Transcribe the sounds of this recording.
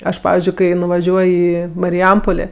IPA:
ˈɐʃ ˈpɑːʋʲɪzʲd͡ʒʲʊɪ ˈkɐɪ nʊʋɐˈʒʲuɔj ˈiː mɐrʲɪˈjɛmpoːlʲeː

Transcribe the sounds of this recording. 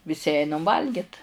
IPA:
ʋʲɪˈsʲɪ ˈɛɪnɐm ˈʋɐlʲɡʲɪt

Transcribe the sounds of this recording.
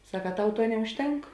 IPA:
ˈsɐk ɐ ˈtɐʊ ˈtuɔ nʲɛʊʃʲˈtʲɛŋk

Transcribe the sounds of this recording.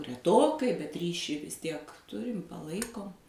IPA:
rʲɛˈtoːkɐɪ bʲɛt ˈrʲiːʃʲiː ʋʲɪs ˈtʲiɛk ˈtʊrʲɪm pɐˈlˠɐɪkoːm

